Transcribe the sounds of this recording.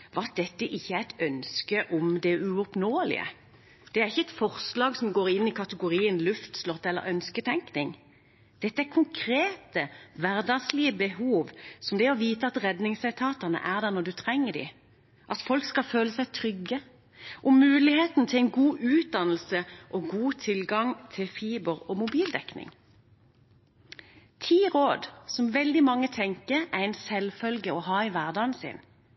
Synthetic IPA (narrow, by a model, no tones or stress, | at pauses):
ʋɑt̪̚d̪ɛt̪ːəʔɪçːəæɪt̪ʰœnskəʔɔʊmd̪ɛʉɔpnoːəlɪ̰ə̰ | d̪̥ɛæːʁɪçːəɛt̪fɔʁslɑːɡsɔmɡoːɾɪnːɪkʰɑt̪əɡʊʁiːənlʉft̪slɔt̪ːɛlːə̰ɾœnskət̪ʰɛŋknɪŋ | d̪̥ɛt̪ːəæɾkʰʊŋkʰʁeːt̪əʋæʁd̪ɑɡslɪəbəɦuːʋsɔmd̪ɛɔʋiːt̪əɑt̪ʁɛd̪nɪŋsæt̪ʰɑːt̪əʁnə̰ʔæʁd̪æʁnɔʁd̪ʉt̪ʰʁɛŋːəd̪ḭ | ʔɑt̪fɔlkskɑføːləsæɪt̪ʰʁʏɡə | ʔʊmːʉːlɪheːt̪n̩t̪ʰɪlæɪnɡuːʔʉːt̪̚d̪ɑnl̩səʔɔɡuːt̪ʰɪlɡɑŋt̪ʰɪlfiːbəʁɔmʊbiːld̪ɛknɪ̰ŋ | t̪ʰiːʁoːd̪sɔmʋɛld̪ɪmɑŋːət̪ʰɛŋkəʁæʁɛɪnsɛlfœlɡəɔɦɑːɪʋæʁd̪ɑːnsɪ̰n